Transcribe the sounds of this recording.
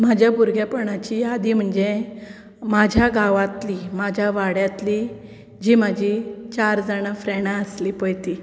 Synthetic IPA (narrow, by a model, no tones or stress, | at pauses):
mad͡ʑʱjabuɾɡjapəɳat͡ɕiad̪im̤əɳd͡ze | mad͡ʑʱjaɡaʋat̪liːmad͡ʑʱjaʋaɽjat̪li | d͡ʑiːmad͡ʑʱit͡ɕaɾd͡zaɽ̃afɾɛɽaəslipəjt̪i